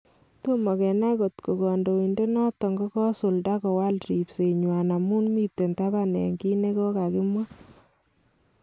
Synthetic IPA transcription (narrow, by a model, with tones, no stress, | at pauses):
to˦mɔ˨kɛ˨na˦ko˨tko˨kɔ˨ndo˨i˨nde˦nɔ˦tɔ˨ŋɡo˦kɔ˦sʊ˨lda˦kɔ˨wa˦lɾi˨pse˨ɲwa˨na˨mu˦nmi˦tːe˨nta˦ba˦nɛ̰˨ŋki˦ne˦kɔ˦ka˨kɪ˦mwa˦